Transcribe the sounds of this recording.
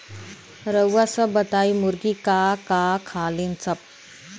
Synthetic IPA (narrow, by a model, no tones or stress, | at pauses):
ɾəwʋasəbət̪aːimʊɾɡikaːkaːkʰaːlinsɐp̚